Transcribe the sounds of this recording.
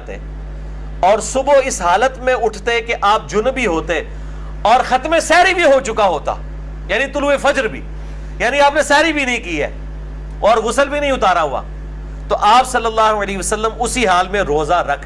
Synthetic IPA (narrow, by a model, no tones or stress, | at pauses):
t̪ḛ | ɔːɾsʊboɪsɦaːlət̪mẽʊʈʰt̪ekeʔaːp̚d͡ʒʊnbʱiɦoːt̪e | ɔːɾxɐt̪mẽsɛːɾibʱiɦot͡ʃʊkaɦoːt̪a̰ː | jaːnit̪ʊluefɐd͡ʒəɾbʱḭː | jaːnĩaːpnẽsɛːɾibʱinɐɦĩkiɦɛ̰ː | ɔːɾʋʊsəlbʱinɐ̃ɦĩʊt̪aːɾaɦua̰ː | t̪oʔaːpsɐlːəlːaːɦoəleːɦiʋəsəlːəmʊsiɦaːlmẽɾoːzaɾɐkʰ